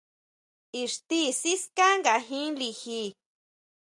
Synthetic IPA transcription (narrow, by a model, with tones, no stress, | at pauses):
i˨ʂt̪i˦si˦ska˦ŋɡa˨ɦĩ˦li˧hi˧